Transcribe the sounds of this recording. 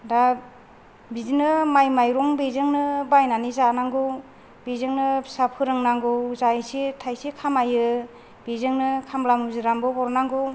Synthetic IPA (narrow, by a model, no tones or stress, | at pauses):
da | bizinɯmajmajɾɔŋbezɯŋnɯbajnanizanaŋɡɯw | bezɯŋnɯsapʰɯɾɯŋnaŋɡɯwzaisitʰajsikʰamajɯ | b̥ezɯŋnɯkʰamlamuziɾambɯbɔɾnaŋɡɯw